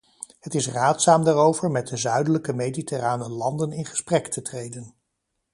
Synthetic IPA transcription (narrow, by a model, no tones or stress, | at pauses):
hətɪsraːtsaːmdaːrowvəɹmɛt̚dəzœɥdələkəmejditəraːnəlɑndənɪnχə̥sprɛktətrejdən